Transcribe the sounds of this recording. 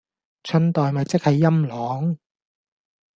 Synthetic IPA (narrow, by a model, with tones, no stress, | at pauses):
t͡ʃʰɵ˧nt̪ɔː˨jmɐ˨jt͡sɪ˥k̚hɐ˨˧jːɐ˥mlɔː˨˥ŋ